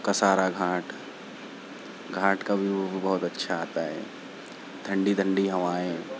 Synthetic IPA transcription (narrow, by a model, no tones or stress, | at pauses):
kasaːɾaɡʱaːʈ | ɡʱãːʈkabʱiobɐɦʊt̪ɐtːʃʰaːt̪aɦɛ̰ː | d̪ʱɐ̃ɳɖid̪ʱə̃ɳɖiɦɐʋaːẽ